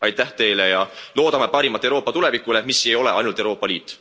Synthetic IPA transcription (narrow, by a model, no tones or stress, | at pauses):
ɑjt̪ːæht̪e̞jlejɑlo̞ːd̪ɑmepɑɾimɑt̪ːˑewɾo̞ːpːˑɑt̪ule̞vikːˑule̞misːejo̞le̞ɑjnult̪ewɾo̞ːpːˑɑliːt̪ːˑ